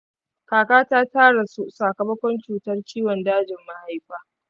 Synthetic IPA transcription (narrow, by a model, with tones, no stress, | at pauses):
kaː˨kaː˦taː˦taː˦ɽa˨su˦saː˨kɐ˨mɐ˦kʷɔ˦nt͡ʃuː˨tɐ˦rt͡ʃʲiː˦wɔ˨ndaː˦d͡ʒɪ˨mːa˦ha˦jɸaː˦